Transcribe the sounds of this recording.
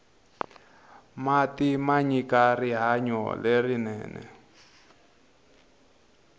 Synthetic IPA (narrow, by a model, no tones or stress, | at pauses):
matimaɲikariɦaɲɔ̰lerinɛ̰ːnɛ̰